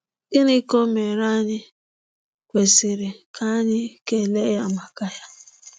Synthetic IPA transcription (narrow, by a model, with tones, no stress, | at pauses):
ɡɪ˦ni˦ko˦me˨ɾa˦ɲɪ˦ | kʷe˨sɪ˨ɾɪ˨kʰa˦ɲɪ˦ke˨le˦ja˦ma˨ka˦ja˦